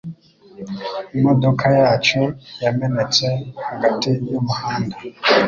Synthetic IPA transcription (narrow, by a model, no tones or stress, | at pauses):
imodokʰajaːt͡ʃujamenet͡sehaɡatijumuhaːnda